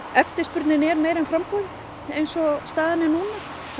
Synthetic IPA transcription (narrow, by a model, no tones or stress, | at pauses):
ɛft̪ɪ̥spʏɾt̪nɪnɛɾmeːjɾɛnfɾamkɔɣð | ejnsɔst̪aːðanɪnuːna